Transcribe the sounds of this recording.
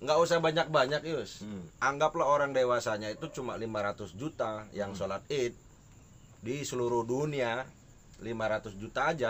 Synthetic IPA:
ŋɡaʔusahbaɲak̚baɲakjʊsʔaŋɡaplaɦoɾaŋdewasaɲait̪ut͡ʃuma̰limaɾat̪ʊsd͡ʒut̪ajaŋsolat̪̚it̪̚ | disəluɾʊhdunia | limaɾat̪ʊsd͡ʒut̪aːd͡ʒa

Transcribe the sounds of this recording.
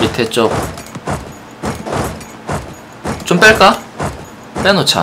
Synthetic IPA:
itʰet̚t͡ɕ͈o | t͡ɕomp͈eɭk͈a | p͈enot͡ɕʰa̰

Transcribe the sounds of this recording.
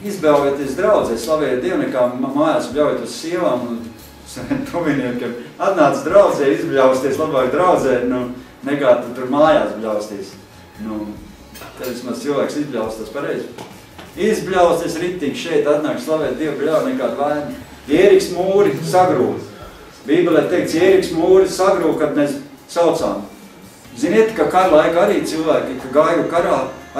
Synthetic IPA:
izbɛwvɛt̪iɛs̬d̪ɾawd̪zɛslˠaʋɛjɛt̪̚d̪iɛwnɛkaːmaːjaːsbʲlʲawjɛt̪ussiɛʋaːmun | sɛɛnp̪ʰuiniɛt̪kʲɛat̪naːt̪sd̪ɾawd̪zɛːizbʲlʲawst̪iɛslˠabaːkd̪ɾawd̪zɛːnu | nɛkaːt̪ut̪uɾmaːjaːsbʎʲawst̪iɛs | nu | t̪ɛʋismaz̥t̪silˠʋæːksizbʲlʲawst̪aspaɾɛjz | izbʲlʲawst̪iɛsɾit̪ːiŋɡʃɛjt̪at̪naːkslˠaʋɛːt̪̚d̪iɛwbʲlʲawnɛkaːd̪væːn | ɛːɾiksmuːɾisaɡɾuː | biːbʲɛlʲˠɛt̪ejk̚tsɛːɾiksmuːɾisaɡɾuːkad̪mes | sawt̪saːm | ziniɛt̪kakaɾlˠajkaɾiːt̪silˠʋæːkʲikaɡaːjukaɾaː

